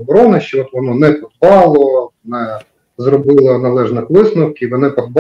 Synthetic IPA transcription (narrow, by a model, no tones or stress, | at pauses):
bɔɾɔnɐʃt͡ʃɛɔt̪ʋɔnɔnɛpɔd̪bɑlˠɔnɛ | zrɔbɪlˠɐnɐlˠɛʐnɐxʋɪsnʊwkʲiʋɔnɛpɔd̪b